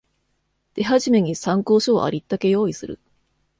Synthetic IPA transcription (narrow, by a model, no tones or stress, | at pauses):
d̪̥e̞ɦaʑime̞ɲ̟isãŋko̞ːɕo̞̰ːʔa̰ɾʲit̪ːake̞jo̞ːisɨɾɯ̰